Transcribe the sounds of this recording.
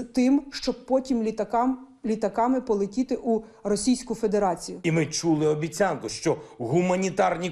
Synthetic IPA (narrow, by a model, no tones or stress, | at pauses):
t̪ɪmʃt͡ʃɔb̚pɔtʲimʲt̪k | lʲit̪ɐkɑmɪpɔlˠɪtʲit̪ɪʔurɔsʲijsʲkʊfe̞d̪eɾɑt͡sʲijʊimɪt͡ʃulˠɪɔbʲit͡sʲɑnkʊʃt͡ʃɔɦʊmɐnʲit̪ɑrnʲi